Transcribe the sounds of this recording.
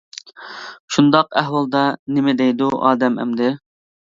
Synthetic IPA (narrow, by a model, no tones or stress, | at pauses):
ʃund̪ɑqæɦwɑlˠd̪ɑnɪmɪd̪ɛjd̪uʔɑ̰ːd̪ɛmɛ̰md̪ɪ